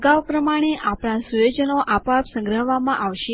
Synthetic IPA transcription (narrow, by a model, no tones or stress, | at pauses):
ɡaʋpɾəmaɽ̃eʔapɽ̃ãsujod͡ʒənoʔapapsə̃ŋɡɾəɦʋamãʔaʋʃe